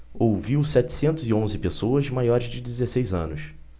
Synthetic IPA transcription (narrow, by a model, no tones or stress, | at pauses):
owviwsɛt͡ʃɪ̥sẽnt̪ʊzɪõzɪpesoɐzmajɔɾɪzd͡ʒɪd͡ʒɪzesejzɐ̃nʊs